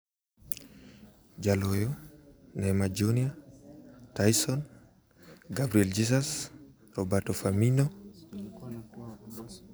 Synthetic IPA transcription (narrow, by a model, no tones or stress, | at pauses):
d͡ʒalojonɛmad͡ʒonia | tajsɔn | ɡabɾiɛld͡ʒisas | rɔbatɔfaminɔ